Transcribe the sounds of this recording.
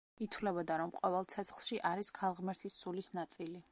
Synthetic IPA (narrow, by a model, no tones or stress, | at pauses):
it̪ʰwlɛbɔd̪aɾɔmqʼɔvɛlˠt̪sʰɛt̪sʰχlˠʃiʔaɾiskʰalˠʁmɛɾt̪ʰisːulisnat̪sʼili